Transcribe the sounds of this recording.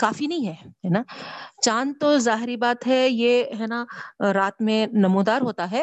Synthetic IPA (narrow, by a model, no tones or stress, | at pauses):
kaːfinɐɦĩɦɛːɦɛnaːt͡ʃãːnt̪ozaːɦɪɾibaːt̪ɦɛjeɦɛnaɾaːt̪mẽnɐmuːd̪aːɾɦoːt̪aɦɛː